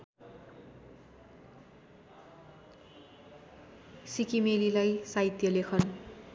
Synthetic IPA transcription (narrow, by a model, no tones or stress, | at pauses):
sikimelilajsait̪jʌlekʰʌn